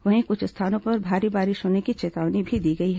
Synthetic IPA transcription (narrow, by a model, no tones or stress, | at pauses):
ʋɐɦĩkʊt͡ʃʰɪst̪ʰaːnõpɐɾbʱaːɾibaːɾɪʃɦoːnekit͡ʃeːt̪aːʋnibʱid̪iːɡɐiɦɛ